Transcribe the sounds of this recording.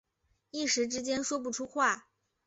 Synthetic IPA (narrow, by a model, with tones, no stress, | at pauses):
i˥˩ʂɻ̩˧˥ʈ͡ʂɻ̩˥t͡ɕjɛ˥nʂwɔ˥p̬u˥˩ʈ͡ʂʰu˥xwa˥˩